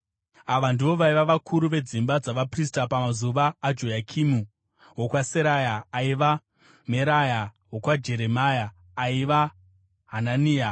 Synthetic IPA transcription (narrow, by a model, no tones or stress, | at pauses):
aʋandiʋo̞ʋaiʋaʋakʰuɾuʋe̞d͡zimbad͡zaʋapris̬tapamazuʋaːd͡ʒo̞jakʰimu | wokwaseɾajaːiʋa | me̞ɾaja | wo̞kwad͡ʒe̞ɾe̞majaː | iʋa | ɦananiːa